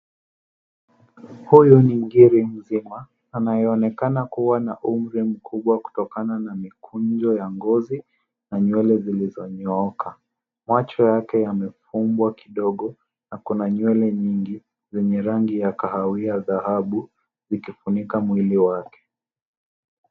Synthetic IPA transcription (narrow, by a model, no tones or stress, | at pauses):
hujɔniɡiɾim̩zimaː | najɛːnɛkanakuwanaʔum̩ɾim̩kʰuɓwaku̥tɔkananamikʰund͡ʒɔjaŋɡɔzi | naɲwɛlɛzilizɔɲɔɔkʰa | mat͡ʃɔjakɛjamɛfumbwakiɗɔɠɔ | nakunaɲwɛlɛɲiŋɡi | zɛɲɛɾaŋɡijakahawiaðahaɓu | zikifunikamwiliwakɛ̥